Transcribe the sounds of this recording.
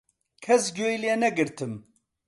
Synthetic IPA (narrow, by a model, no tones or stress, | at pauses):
kʰɛsɡojleːnɛɡɨɾt̪ʰɨm